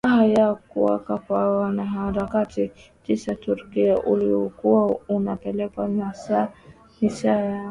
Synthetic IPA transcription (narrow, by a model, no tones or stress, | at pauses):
aɦajakuwa̰kakwawanaɦaɾakatit͡ʃisatuɾkiaʔuliɔkuwaunapɛlɛkwamasa | hisaja